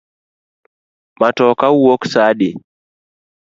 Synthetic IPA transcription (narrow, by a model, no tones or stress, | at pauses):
matɔkawoksaɗi